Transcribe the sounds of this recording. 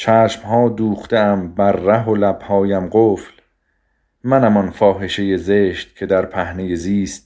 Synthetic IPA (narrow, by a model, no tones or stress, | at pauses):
t͡ʃʰæːʃmhɒːd̪uːxt̪eæmbæɾːæɦo̞læb̥hɒːjæmɢoːfl | mænæmɒnfɒːɦe̞ʃe̞je̞zeːʃt̪̚cʰe̞d̪æɾpʰæhneje̞ziːst̪̚